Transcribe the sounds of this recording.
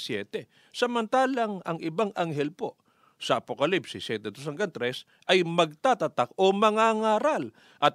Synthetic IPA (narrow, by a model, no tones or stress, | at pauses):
sjɛːt̪ɛ | sɐmɐnt̪aːlɐŋɐŋɪbaŋʔaŋɦɛlpo̞ | sɐʔɐpokɐlipsisjɛt̪ɛd̪os̬ɐŋɡɐnt̪ɾɛs | ʔɐjmɐɡ̚t̪at̪ɐt̪ak̚o̞mɐŋaːŋaːɾal | ʔɐt̪̚